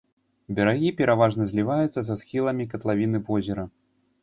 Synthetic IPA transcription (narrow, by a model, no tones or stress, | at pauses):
bʲɛɾaɣʲipʲɛɾavaʐnɐzʲlʲivajut̪sːɐzasxʲilˠɐmʲikɐt̪lˠavʲinɨvɔzʲɛɾɐ